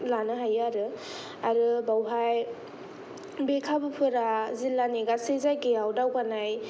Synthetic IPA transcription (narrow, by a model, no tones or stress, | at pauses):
lanɯɦajaɾɯ | aɾɯbawɦaj | bekʰabɯpʰɯɾazilːaneɡasezajkejawdawɡanaj